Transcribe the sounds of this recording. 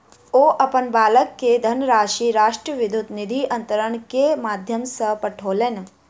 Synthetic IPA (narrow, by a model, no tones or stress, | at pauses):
oːʔɐpənbaːləkːed̪ʱɐnəɾaːʃiɾaːʂʈɾəʋɪd̪ʱut̪nid̪ʱiɐ̃nt̪əɾəɳ̃kemaːd̪ʱjəmsəpɐʈʰoːlen